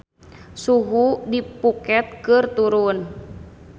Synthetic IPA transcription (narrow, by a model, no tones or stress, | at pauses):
suɦudipukɛt̪̚kɨrt̪uɾun